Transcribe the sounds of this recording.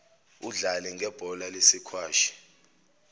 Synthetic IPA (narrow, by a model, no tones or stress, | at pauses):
uɮalɛŋɡʱɛb̥ʱɔlalesikʰwaːʃi̥